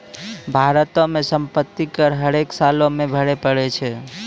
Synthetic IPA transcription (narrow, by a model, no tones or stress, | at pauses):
bʱaɾət̪õmẽsəmpət̪ːikəɾɦəɾeksalõmẽbʱəɽepəɽɛt͡ʃʰɛ